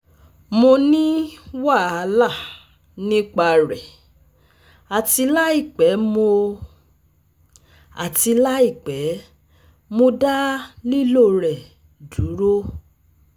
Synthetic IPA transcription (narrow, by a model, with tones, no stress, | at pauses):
mo˧nĩ˦wa˦˨a˧la˦˨ | nĩ˦k͡pa˧ɾɛ˨ | a˨ti˧la˦i˦˨k͡pɛ˨˦mo˧ | a˨ti˧la˦i˦˨k͡pɛ˨˦ | mo˧da˦li˦lo˦˨ɾɛ˨ | du˨˦ɾo˦